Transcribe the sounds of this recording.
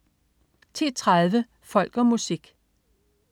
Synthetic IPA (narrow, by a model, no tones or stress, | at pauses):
t͡sʰiːt͡sʰʁaðˠʋə | fɒ̽l̰ɡ̥ɒ̽musiɡ̥